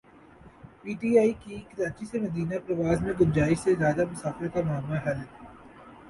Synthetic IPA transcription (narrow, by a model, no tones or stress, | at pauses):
piːʈiːaːikikɪɾaːt͡ʃisemɐd̪iːnapɾɐʋaːzmẽɡʊ̃nd͡ʒaːɪʃsezjaːd̪amʊsaːfɪɾkamaːmːaɦɛlɦɛː